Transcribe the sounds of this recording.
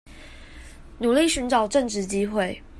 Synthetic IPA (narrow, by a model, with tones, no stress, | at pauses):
nu˨˩li˥˨ɕy˧˦nʈ͡ʂɑ˨˩ʊʈ͡ʂə˥˨ŋʈ͡ʂɻ̩˥˩t͡ɕi˥xwe˥˨ɪ